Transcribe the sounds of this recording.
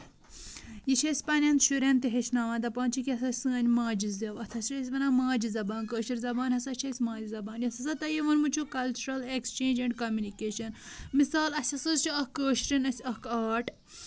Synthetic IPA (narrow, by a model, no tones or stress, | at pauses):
jit͡ʃʰesʲpɐnʲɐnt̪ʃuɾʲent̪iɦesʲnaːʋaːnd̪ɐpaːnt͡ʃʰikʲiɐsɐsɨːnʲmãːd͡ʒizɐʋɐt̪ʰɐsɾes̬ʲʋɐnaːmãːd͡ʒizɐbaːnkəːʃiɾzɐbaːnhɐsɐt͡ʃʰɐsʲmãːd͡ʒizɐbaːnjɐsɐsɐt̪ɐjiʋɐnmut͡ʃʰukɐlt͡ʃuɾɐlekst͡ʃẽːnd͡ʒɐɳɖkɐmʲjunikeːʃɐnmisaːlɐsʲɐsɨzt͡ʃʰiɐkəːʃɾinɐsʲɐkaːʈ